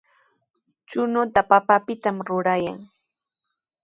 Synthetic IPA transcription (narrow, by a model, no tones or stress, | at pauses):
t͡ʃʊnʊt̪apapapɪt̪amɾʊɾaja̰ŋ